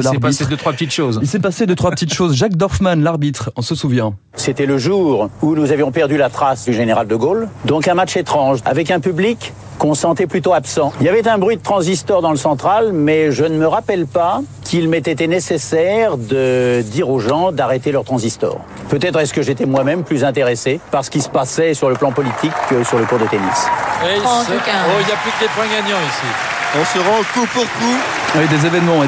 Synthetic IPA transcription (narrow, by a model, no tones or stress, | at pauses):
lbid̪ət̪χwapət̪it̪ʃozilsɛpased̪ət̪χwapət̪it̪ʃozʒak̚d̪ɔʁfmanlaʁbit̪χɔ̃səsuvjɛ̃ | set̪ɛləʒuːʁunuzavjɔ̃pɛʁd̪ylat̪χasd̪yʒeneʁald̪əɡold̪ɔ̃kɛ̃maʃet̪χɑ̃ʒa̰vɛkɛ̃pyblikː | ɔ̃sɑ̃t̪ɛplyt̪oapsɑ̃iljavɛt̪ɛ̃bʁwɥid̪ət̪χɑ̃zist̪ɔʁd̪ɑ̃ləsɑ̃t̪χalmɛʒənəməʁapɛlpakʰilmet̪ɛt̪ɛnesesɛʁd̪əd̪iʁoʒɑ̃d̪aʁet̪elœʁt̪χɑ̃zist̪ɔ̰ːʁ | pøt̪ɛt̪χɛsə̥kəʒet̪ɛmwamɛmplyzɛ̃t̪eʁesepaʁsə̥kilsə̥pasɛsyʁləplɑ̃pɔlit̪ʰikːəsyʁləkuʁd̪et̪enḭswi | oiljaplyklepwɛ̃ɡaɲɑ̃isi | ɔ̃səʁɑ̃kupuʁku | ɛd̪ezevɛnmɑ̃